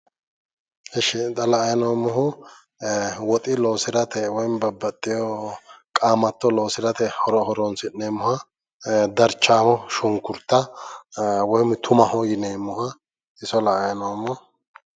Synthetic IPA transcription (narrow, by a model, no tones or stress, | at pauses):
hɛʃɪt̪ɐlɐɐjnoːmːʊɦʊ | wɔt̪ʼɪloːsɪɾɐt̪ʰɛwɔjmbɐbːɐt̪ʼːɪjɔkʼaːmɐt̪ːɔlo̞ːsɪɾɐt̪ɛhɔɾɔhɔɾɔnsɪnːeːmːʊhɐ | d̪ɐɾt͡ʃːaːmɔʃʊŋkːʊɾt̪ːɐ | wɔjmt̪ʰʊmɐhɔjɪneːmːʊhɐ | ʔɪsɔlɐʔɐjnoːmːɔ